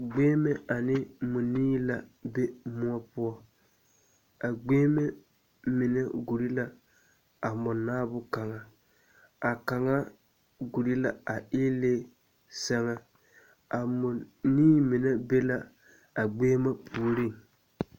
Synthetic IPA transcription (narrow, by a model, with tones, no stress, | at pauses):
ɡ͡beː˦mɛ˦a˨nɪ˦mʊ˨niː˦la˨be˦mʊ˦ɔ˦pʊ˦ɔ˦ | a˨ɡ͡beː˦mɛ˦ | mɪ˨na˦ɡu˨ɾi˦la˨ | a˨mʊ˨nːaː˦bʊ˦ka˨ŋa˨ | a˨ka˨ŋa˦ | ɡu˨ɾi˦la˨a˨ɪ˦leː˦ | sa˦ŋa˦ | a˨mʊ˨niː˦mɪ˨nɛ˦be˦la˦ | a˨ɡ͡beː˦ma˦pʰu˨o˨ɾi˦˨ŋ